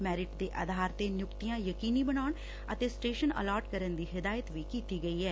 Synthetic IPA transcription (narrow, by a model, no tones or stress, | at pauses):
mɛːɾɪʈd̪eːʔə̰d̪ʱaːɾt̪eːnjʊkt̪ijãːjəkiːniːbənaːɳ | ət̪eːsʈeːʃənə̰laːɾʈkəɾənd̪iːɦɪd̪aːjət̪ʋiːkiːt̪iːɡəiːɦɛː